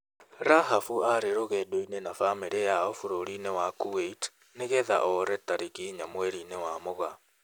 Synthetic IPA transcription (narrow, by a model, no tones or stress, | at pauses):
ɾaɦafuaɾeɾoɣɛdoinenafameɾejaɔfoɾoɾinewakueit | neɣɛða̰ʔɔɾɛtaɾiɣiɲamwɛɾinewamoɣa